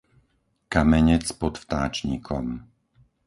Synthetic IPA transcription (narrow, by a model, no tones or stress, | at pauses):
kamɛɲɛt͡spɔt̪ft̪aːt͡ʃɲiːkʰɔ̰m